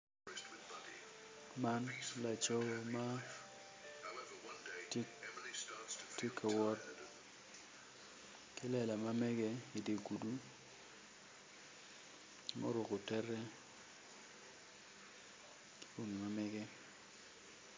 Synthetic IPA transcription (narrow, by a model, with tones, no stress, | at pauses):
ma˦nla˨t͡ʃo˦wɔ˦ma˦ | t | tːe˦kʰa˨wɔ˦t̚ | kɪ˦lɛ˨la˨ma˦mɛ˦ɡɛ˦i˨de˨ɡu˨du˦ | mo̰˦ɾwo˨kʊ˨tɛ˦rɛ˦ | kɪ̥˦o˦ŋi˨ma˦mɛ˦ɡɛ˦